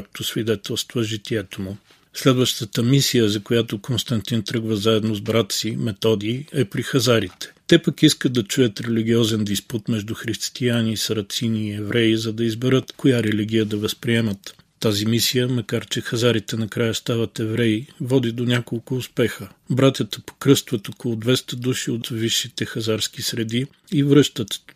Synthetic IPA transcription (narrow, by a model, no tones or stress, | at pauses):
k̚t̪ʰosvid̪ɛt̪ɛlˠst̪vəʒit̪iɛt̪omʊ | slɛd̪vəʃt̪ət̪əmisijəzɐkojat̪okonst̪ɐnt̪int̪ɾɤɡvəzaɛd̪nozbɾat̪simɛt̪ɔd̪iːɛpɾixɐzaɾit̪ɛ̥t̪ɛpəkiskəd̪̚d̪ɐt͡ʃujət̪ɾɛliɡ̟ʲiɔzɛnd̪isput̪mɛʒd̪uxɾist̪ianiːsɐɾɐt̪siniːɛvɾɛizɐd̪ɐizbɛɾɤt̪kojaɾɛliɡ̟ʲijəd̪ɐvɐspɾiɛmət̪ː | azimisijəmɐkaɾt͡ʃɛxɐzaɾit̪ɛnɐkɾajəst̪avət̪ɛvɾɛivɔd̪id̪onʲakolˠkʊʊspɛxəbɾat̪ʲjət̪ə̥po̥kɾɤst̪vət̪okolˠʊd̪vɛst̪əd̪uʃiot̪viʃːit̪ɛxɐzaɾskisɾɛd̪i | ivɾɤʃt̪ət̪